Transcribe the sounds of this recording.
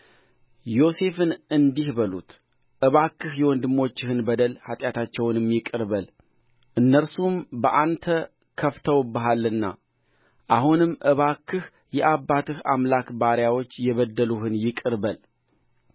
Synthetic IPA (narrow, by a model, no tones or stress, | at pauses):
jo̞se̞fɨnɨnd̪ihbəlut̪ | ʔɨβakːɨhjɛwɔnd̪ɨmːo̞t͡ʃːɪhɨnbəd̪əlhat̪ʼjat̪ʰat͡ʃːɛwnɨmːjɪkʼɨɾβəl | ʔɨnːəɾsumbəʔant̪ʰə | kʰəft̪ʰəwbəɦalːɨnːa̰ | ʔahunɨmːʔɨβakʰːɨh | jɛʔabːat̪ʰɨhamlakbaɾjawo̞t͡ʃːjɛβəd̪ːəluhɨnjɪkʼɨɾβəl